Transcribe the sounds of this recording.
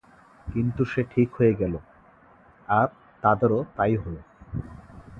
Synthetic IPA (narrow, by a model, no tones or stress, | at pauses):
kint̪uʃeʈʰikɦojeɡɛlo | aɾ | t̪ad̪eɾot̪ajɦolo